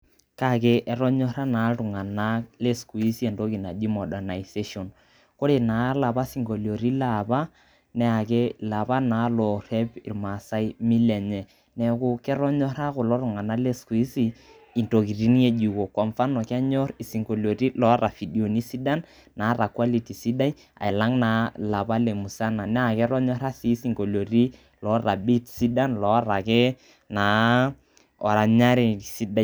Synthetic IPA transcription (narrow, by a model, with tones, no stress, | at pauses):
ka˦ke˦ʔɛ˨ɾɔ˦ɲɔ˦ɾa˦na˨˦ɾu˨ŋa˨na˦le˦sku˨i˦si˦e˨nto˦ki˨na˨d͡ʒi˦mɔ˨da˨na˨ise˦ʃo˨n | ko˦ɾe˨na˨˦la˨pa˦si˨ŋɡo˨ljo˨ɾi˦la˨ba˦ | nɛ˨a˨k̬e˦la˨pa˦na˨˦lɔ˨rɛ˦pi˨rma˨sa˦i˦mi˦lɛ˨ɲɛ˨ | nɛ˨kʊ˦kɛ˦ɾɔ˦ɲɔ˦ɾa˦kʊ˨lɔ˦ɾʊ˨ŋa˨na˦le˦sku˨i˦si˦ | i˨nto˨ki˨ri˦ni˦e˦d͡ʒu˨ko˨kwa˨ɱfa˦nɔ˨kɛ˦ɲɔ˦ɾi˨si˨ŋko˨lo˨ri˦lɔ˨˦ɾa˨fi˨di˨o˨ni˦si˦da˦n | na˨˦ɾa˨kwa˦li˨ti˨si˦da˦i˦ | a̰˨ɪ˨la˦ŋna˨la˨pa˦le˨mu˨sa˦na˨nɛ˦a˨kɛ˦ɾɔ˦ɲɔ˦ɾa˦si˦si˨ŋko˨lo˨ri˦ | lɔ˦ra˨bi˦tsi˦da˦nlɔ˨˦ɾa˨kɛ˦ | na˨˦ | ɔ̰˨ɾa˨ɲa˦ɾi˨si˦da˦˨